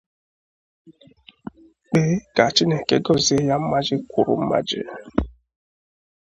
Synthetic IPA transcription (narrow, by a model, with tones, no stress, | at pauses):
k͡pe˦ka˨t͡ʃi˦ne˨ke˦ɡɔ˦˨zi˨˦e˦ja˦m̩˦ma˦d͡ʒɪ˦kʰʷu˨ɾṵ˨m̩˦ma̰˦d͡ʒɪ̰˦